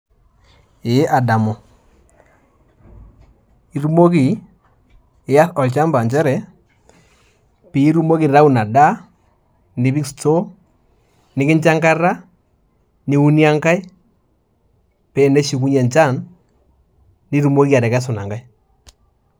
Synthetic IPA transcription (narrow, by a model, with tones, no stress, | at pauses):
ɪ˨˦ʔa˨da˨mo˨ | i˦ɾu˦mo˦ki˨ | ɪ˨˦a˦ɔ˨lt͡ʃa˦mba˨nt͡ʃɛ˦ɾɛ˨ | pi˨i˦ɾu˦mo˦ki˨ɾa˦u˦na˨da˦ | ni˨˦bi˦ksto˦ | nɪ˦kɪ˦nt͡ʃa˦ŋka˦ra˦ | ni˦u˦ni˦a˦ŋka˦i˦ | pe˨ne˦ʃi˨k̬u˦ɲɛ˨nt͡ʃa˦˨n | i˦ɾu˦mo˦ki˦a˨ɾɛ˨kɛ˦s̬ʊ˨na̰˨ŋɡa˦i˦